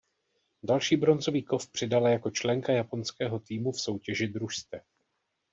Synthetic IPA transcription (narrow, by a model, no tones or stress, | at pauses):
dalʃiːbɾo̞nzo̞viːko̞fpr̝̥ɪdalajako̞t͡ʃlɛŋkajapo̞nskɛːɦo̞t̪iːmufso̞wcɛʒɪd̪ɾuʃst̪ɛ